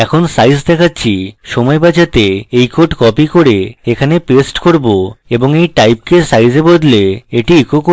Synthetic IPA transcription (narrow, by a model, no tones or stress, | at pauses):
ɛkʰonsajzd̪ɛkʰatːɕʰiʃɔmɔebad͡ʑat̪eejkoʈkɔpikoɾeekʰanepesʈkoɾboeboŋejʈajp̚kesajzebod̪leeʈiikoko